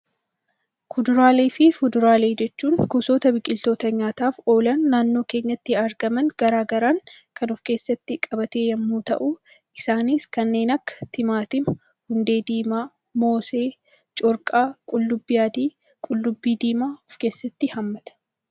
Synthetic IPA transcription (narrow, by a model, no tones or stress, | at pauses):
kʊd̪ʊɾaːleːfɪfʊd̪ʊɾaːle̞ːd͡ʒɛt͡ʃːuːŋkʊso̞ːt̪ɐbɪkʼɪlt̪o̞ːt̪ɐɲaːt̪aːfo̞ːlɐnːaːnːo̞ːke̞ːɲːɐt̪ːɪɐɾɡɐmɐnɡ̥ɐɾaːɡɐɾaːŋkɐnʊfke̞ːsːɐt̪ːɪkʼɐbɐt̪e̞ːjɐmːuːt̪ɐ̰ʔu | ʔɪsaːnɪskɐnːe̞ːnɐkːɐ̥t̪ɪmaːt̪ɪ | hʊnd̪e̞ːd̪iːmaː | mo̞ːse̞ː | t͡ʃʼʊɾkʼaːkʼʊlːʊbːɪjaːt̪iː | kʼʊlːʊbːiːd̪iːmaːʊfke̞ːsːɐt̪ːɪhɐmːɐt̪ɐ̥